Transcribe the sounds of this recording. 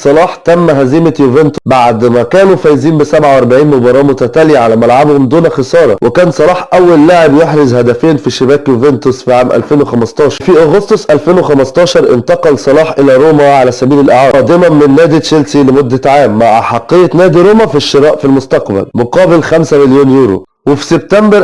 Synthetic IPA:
sˤɑlɑːħt̪æmːɦæziːmæjuvent̪obaʕd̪mækæːnufæjziːnbɪsæbʕawʔɑɾˤbaʕiːnmobɑɾˤɑːmʊt̪æt̪æːlijʕalæmælʕabhomd̪uːnæxesˤɑːɾˤɑ̰wekæːnsˤɑlɑːħʔæwːælːaʕebjeħɾɪzhæd̪æfeːnfiʃɪbæːkjovent̪osfiʕaːmʔæ̰lfeːnwexæmɑst̪ˤɑːʃɑɾfiʔoɣost̪osʔælfeːnwexæmɑst̪ˤɑːʃɑɾˤʔɪ̰nt̪ɑqɑlsˤɑlɑːħʔɪlæɾoːmæʕalæsæbiːlelʔæʕɑːɑːd̪ɪmæmɪnːæːd̪iʃelsilemod̪ːæʕaːmːaʕaħɑqːejːænæːd̪iɾoːmæfiʃːeɾˤɑːʔfilmʊst̪ɑqbæ̰lmoqɑːbelxæmsæmɪljoːnjuːɾo̰ | wefi̥seb̚t̪æmbɾ

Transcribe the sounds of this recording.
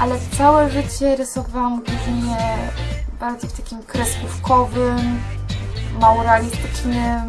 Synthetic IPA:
ʔalɛt̪sawɛʐɘt͡ɕɛɾɘsɔvawamɡuviɲɛ | baɾd̪zɔft̪akʲimkɾɛsufkʰɔvɘmː | awuɾalʲist̪ɘ̥t͡ʂnɘm

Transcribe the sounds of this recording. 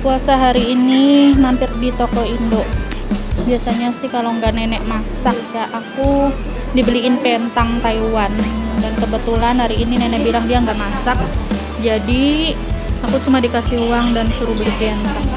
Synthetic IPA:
kuasaɦaɾiːninampɪrdit̪okɔindoʔ | biasaɲasɪhkaloŋɡaʔnɛnɛʔmasak̚jaʔaku | dibəliɪnpɛnt̪aŋt̪aiwandaŋkəbət̪ulanhaɾiːninɛnɛbilaŋdiaŋɡaʔmasak̚ | d͡ʒadi | akut͡ʃumadikasɪhuwaŋdansuɾubəlipent̪aŋ

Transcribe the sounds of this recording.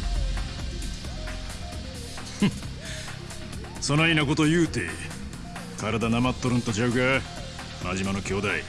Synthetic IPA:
sonainako̞t̪ojɯːt̪ḛ | kaɾad̪anamat̪ːoɾɯ̃nt̪od͡ʑaɯɡa | maʑimano̞kʲo̞ːd̪ai

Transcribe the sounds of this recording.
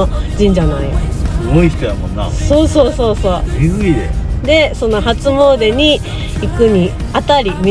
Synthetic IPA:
od͡ʑĩɲ̟d͡ʑanaijo̰sɨɡoiçi̥t̪ojamõ̰nːa̰so̞ːso̞ːso̞ːso̞ːizɨied̪e̞so̞nːoɦat͡sɨmo̞ːd̪e̞ɲ̟i | ikɯ̟ɲ̟i | at̪aɾʲimʲi

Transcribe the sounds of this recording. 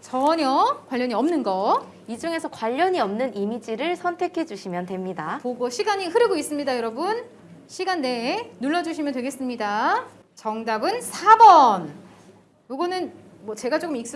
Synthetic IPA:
t͡ɕʌɲʌkwaʎːʌɲiʌmnɯnɡʌ | id͡ʑuŋe̞sʰʌkwaʎːʌɲiʌmnɯnimid͡ʑiɾɯɭsʰʌntʰe̞kʰe̞d͡ʑuɕʰimjʌntwe̞mɲidapoɡoɕʰiɡaɲihɯɾɯɡois͈ɯmɲidajʌɾʌbun | ɕʰiɡanːe̞nuɭːʌd͡ʑuɕʰimjʌntwe̞ɡe̞s͈ɯmɲida | t͡ɕʌŋdabɯnsʰabʌn | juɡʌnɯn | mwʌt͡ɕe̞ɡat͡ɕ͈okɯmik̚s͈

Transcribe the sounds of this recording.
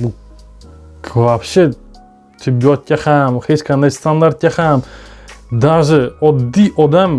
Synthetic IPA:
bu | kʰvafʃə | t̪ʰibːiɔt̪̚kʲaχamχet͡ʃkʰand̪ast̪ʰand̪aɾt̪̚kʲaχam | d̪aʒɨɔd̪ːiʔɔd̪am

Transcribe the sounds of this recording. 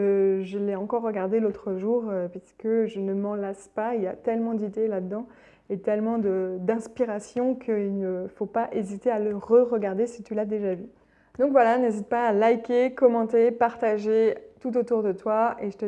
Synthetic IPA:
əʒəlɛɑ̃kɔʁːəɡaʁd̪elot̪χəʒuːʁøpɥisə̥kəʒənəmɑ̃laspailja̰t̪ɛlmɑ̃d̪id̪elad̪əd̪ɑ̃ | et̪ɛlmɑ̃d̪əd̪ɛ̃spiʁasjɔ̃kʰəilnəfopaʔezit̪ealəʁəʁəɡaʁd̪esit̪ylad̪eʒavy | d̪ɔ̃kvwalanezit̪̚paːlajkʲekɔmɑ̃t̪epaʁt̪aʒet̪ut̪ot̪uʁd̪ət̪waeʒət̪ə

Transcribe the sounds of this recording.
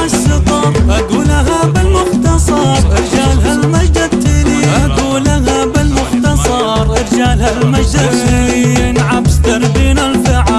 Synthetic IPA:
aʃɨt̪ˤɑʔad̪uːlaɦabɪlmʊxt̪ɑsˤɑɾˤʔɪɾd͡ʒaːlɦalmad͡ʒd̪at̪ːeniaɡ̪uːlaɦabɪlmʊxt̪ɑsˤɑ | ɾˤʔɪɾd͡ʒaːlhalmad͡ʒd̪a | ɪnʕabst̪ɑɾˤd̪iːnalfɪʕa

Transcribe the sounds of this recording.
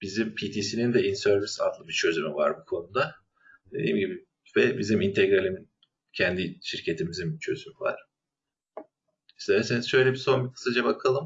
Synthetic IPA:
b̥izimpʰit̪ʰiːsinind̪ɛinsøɾvisa̰d̪lˠɯbit͡ʃʰø̞zymyva̰ɾbukʰo̞nud̪a | d̪̥e̞d̪ḭːmɟibi | vɛbizimint̪ʰeɡɾalʲimin | cʰænd̪iʃiɾcʰe̞t̪ʰimizint͡ʃʰø̞̰zymyva̰ɾ̥ | iʃt̪ɛvɛsenizʃøjlʲebiso̞mbikʰɯ̥sad͡ʒabakʰalˠɯm

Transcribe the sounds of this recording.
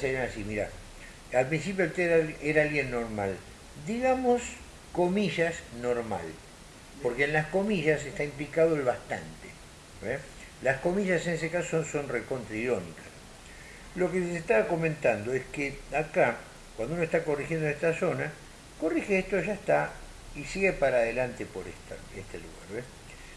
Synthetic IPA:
seenasimiɾa̰ | alpɾĩns̬ip̬joet̪eaeɾaalɣje̞nːo̞ɾma̰l | d̪iɣamos | ko̞miʒasno̞ɾma̰l | po̞ɾkeːnlasko̞miʒasest̪aimplikaðoelβast̪a̰nt̪e̥ | e | lasko̞miʒasenes̬ekasosonso̞nreko̞nt̪ɾiio̞nḭkas | lo̞kessest̪aβako̞mẽnt̪and̪oeskeaka | kwand̪ounoest̪ako̞rixjend̪oest̪aso̞na | ko̞rixeest̪oʒaest̪a | isiɣepaɾaːðelant̪epo̞ɾḛt̪a̰ | est̪ḛlṵɣa̰ɾβe

